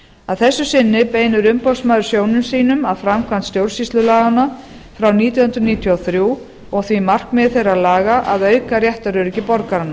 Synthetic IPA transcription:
aðθɛsːʏsɪnːɪpeːjnʏɾʏmpɔwsmaːðʏɾ̥sjownʏmsiːnʏmaðfɾamkʰvant̪st̪jowɾ̥sist̪lʏlaːɣana | fɾawniːt̪ihʏnt̪ɾʏniːt̪ʰjawθɾjuː | ɔɣθvimar̥kmɛðθejɾaðlaːɣaʔaðœːɥkarjɛht̪aɾʏɾcɪpɔɾkaɾanːa

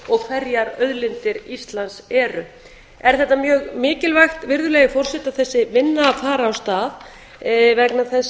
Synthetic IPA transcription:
ɔɣkʰvɛɾjaɾœðlɪnt̪ɪɾist̪lansɛːɾʏ | ɛɾ̥θɛht̪ːamjœːɣmɪːcɪlvajxt̪vɪɾðʏlɛːɣɪfɔr̥sɛt̪aθɛsːɪvɪnːaːfaːɾaːwst̪aːð | vɛknaθɛs

